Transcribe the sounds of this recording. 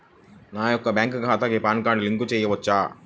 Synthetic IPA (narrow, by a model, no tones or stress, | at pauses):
naːjɔkːɐbaːŋkɡʱaːt̪aɡepaːnkaːɳɖliŋkut͡ʃɛːjɐʋɐt͡ʃːaː